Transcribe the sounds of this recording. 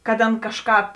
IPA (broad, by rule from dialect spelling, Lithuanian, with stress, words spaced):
kɐt ˈɑːnɐ ˈkɑːʃˌkɑːp